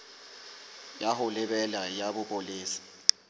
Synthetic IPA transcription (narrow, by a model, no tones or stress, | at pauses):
jahʊlɪɓɛlajaɓʊpʼoliːsi̥